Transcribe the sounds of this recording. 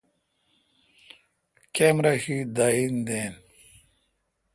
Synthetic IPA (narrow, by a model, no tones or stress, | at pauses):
kemɾaɕid̪aind̪en